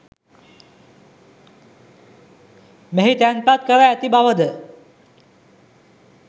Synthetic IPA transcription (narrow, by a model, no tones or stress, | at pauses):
meɦit̪anpat̪̚kəɾajət̪ibaʋəd̪ə